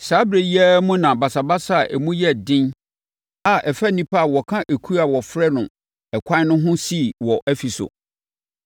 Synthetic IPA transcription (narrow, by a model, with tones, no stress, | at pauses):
sa˨˦bɾe˨ji˦ɛ˦mũ˦nã˨ba˨sa˨ba˦sa˦˨ʔɛ˨mũ˦jɛ˦˨dɪ̃˦n | a˨ʔɛ˨fæ˦nĩ˦pʰa˦a˨wɔ˨kʰã˦ʔe˨kʰu˦a˨wɔ˨fɾɛ˦nʊ̃˨ | ɛ˨kʷʰã˦n˦nʊ̃˦ɦʊ̃˦si˦wɔ˨ʔæ˦fi˨sʊ̰˨